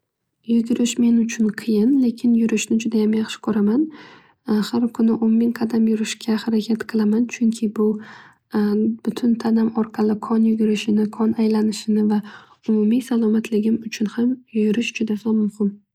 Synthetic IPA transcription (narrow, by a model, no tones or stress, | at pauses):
jʊɡʲɪɾɪʃme̞nʊt͡ʃʰʊnqʰɨjɪnle̞kʲʰɪnjʊɾɪʃnɪd͡ʒʊd̪ajamjɑχʃɪ̥kʰɵɾaman | haɾkʰʊnɪʔommɪŋqʰɑd̪amjʊɾɪʃkʲahaɾakʲʰat̪qʰɨlˠamant͡ʃʰʊŋkʲʰɪbʊ | b̥ʊt̪ʰʊnt̪ʰanamɒɾqʰɑlɪkʰɒnjʊɡʲɪɾɪʃɪnɪkʰɒnajlanɪʃɪnɪva | ʊmʊmisalˠɒmat̪ʰlɪɡʲɪmʊt͡ʃʰʊnhamjʊɾɪʃd͡ʒʊd̪asɒnmʊhɪm